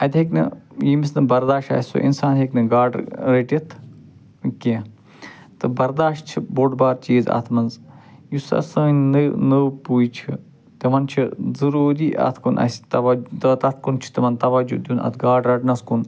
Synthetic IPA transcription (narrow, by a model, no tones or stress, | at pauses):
ɐt̪ʲeknɨ̰jimisnɨbɐɾd̪aːʃa̰ːsʲso̰ʔḭnsaːnɦeknɨɡaːɖɾeʈit̪ʰ | kẽ | t̪ɨbɐɾd̪aːʃt͡ʃʰiboɖbaːɾt͡ʃiːzɐ̰t̪ʰmɐnzjusɐ̰sɐ̃ːnɨnɨpuːjt͡ʃʰi | t̪ɐʋɐnt͡ʃʰizɐɾuːɾiːʔɐ̰t̪ʰkunʔɐ̰sʲt̪ɐʋɐd͡ʒt̪ɐt̪ɐt̪ʰkunt͡ʃʰi̥t̪ɐmɐnt̪ɐʋɐd͡ʒṵd̪ʲjunɐ̰t̪ʰɡaːɖɾɐʈnɐskun